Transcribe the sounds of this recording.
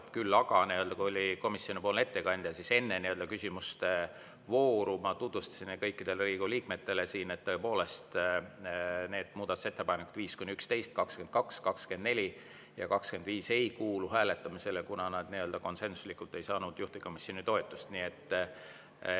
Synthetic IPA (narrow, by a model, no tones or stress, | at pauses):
kylːɑɡ̥ɑniø̞ld̪ɑkuolʲiko̞misːio̞nipoːlne̞t̪ːe̞kɑnʲd̪̥jɑsise̞nːe̞niø̞ld̪̥ɑkysʲimust̪e | vo̞ːɾumɑt̪ut̪vust̪ɑ̥sinekɤjkːid̪̥e̞lriːɡuliːkme̞t̪ːe̞le̞siːne̞t̪ːɤepo̞ːle̞st̪ | ne̞ːd̪̥muːd̪̥ɑt̪u̥se̞t̪ːe̞pɑjnekːˑu̥d̪viːskujnʲiykst̪e̞jst̪̚kɑkske̞nd̪̚kɑkskɑkske̞nd̪ne̞lʲi | jɑkɑkske̞nd̪viːse̞jkuːluhæːle̞t̪ːˑɑmise̞lekunɑnɑd̪niø̞ld̪ɑko̞nse̞nsu̥slikult̪ːˑe̞jsɑːnud̪̥juht̪iko̞misio̞nit̪o̞et̪ːˑust̪niet̪ː